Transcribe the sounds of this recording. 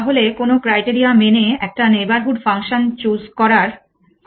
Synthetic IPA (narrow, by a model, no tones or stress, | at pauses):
aɦolekonokɾajʈiɾiameneɛk̚ʈanebaɾɦuʈfaŋʃont͡ɕuzkɔɾaɾ